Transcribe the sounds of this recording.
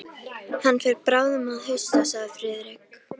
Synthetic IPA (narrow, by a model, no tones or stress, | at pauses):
θanːfɪɾpɾaːwðʏmaðɦœɥst̪asaɣðɪfɾɪːðɾɪk